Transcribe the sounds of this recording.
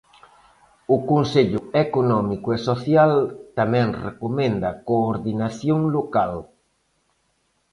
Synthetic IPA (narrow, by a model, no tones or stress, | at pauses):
ʊkonseʎʊekonɔmikʊesoθjalt̪amɛ̃ŋrḛkomɛ̃nd̪ɐkoːɾðinaθjoŋlokal